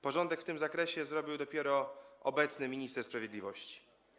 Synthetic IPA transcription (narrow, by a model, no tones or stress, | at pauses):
pɔʐɔnd̪ɛkft̪ɘmzakɾɛɕɛzɾɔbʲiwd̪ɔpʲjɛɾɔɔ̰bɛt̪snɘmʲiɲist̪ɛɾspɾavʲjɛd̪lʲivɔɕt͡ɕi̥